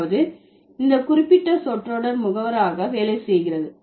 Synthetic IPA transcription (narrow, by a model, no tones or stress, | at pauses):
ʋɐðɯ | ɪnd̪ɐkʊɾɪpːɪʈːɐsɔʈroːɽɐɾmʊɣɐʋɐɾaːɣɐʋeːlɐɪsɛjɣɪrɐðɯ